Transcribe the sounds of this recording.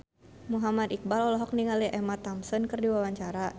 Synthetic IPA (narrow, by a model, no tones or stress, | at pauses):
muɦamad̪ik̚balɔlɔɦɔk̚niŋaliʔɛmat̪amsɔnkərdiwawaɲt͡ʃaɾa